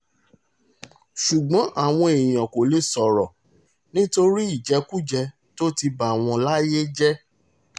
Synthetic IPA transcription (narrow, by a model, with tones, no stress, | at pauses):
ʃu˨ɡ͡bɔ̃˨˦ʔa˦˨w̃ɔ̃˧e˨j̃ɔ̃˨ko˨le˦sɔ˨ɾɔ˨ | nĩ˦to˧ɾi˦i˦˨d͡ʒɛ˨˦ku˦d͡ʒɛ˧ | to˦ti˧ba˨w̃ɔ̃˧la˦je˦d͡ʒɛ˦